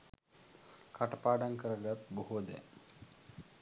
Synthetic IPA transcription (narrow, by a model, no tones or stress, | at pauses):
kaʈɐpaːɖaŋkəɾɐɡat̪boɦud̪ɛ̰